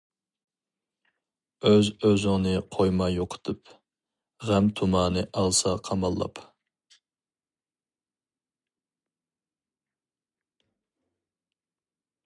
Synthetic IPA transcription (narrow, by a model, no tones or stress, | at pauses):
øzøzʊŋnɨqʰojmɑjoqʰə̥t̪ʰɨp | ʁɛmt̪ʰumɑːnɨʔɑlˠsɑqʰɑmɑlˠːɑ̰p